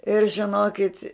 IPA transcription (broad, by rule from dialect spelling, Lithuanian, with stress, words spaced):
ɪr ʒʲɪˈnoːkʲɪt